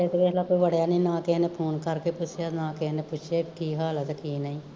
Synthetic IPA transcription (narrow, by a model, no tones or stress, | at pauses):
et̪ekelaːkoːiːʋəɽjaːnẽĩːnãːkeneːpʰoːnkəɾkeːpʊt͡ʃʰjaːnãːkeɦneːpʊt͡ʃʰeːkiːɦaːlət̪ːkiːnəĩː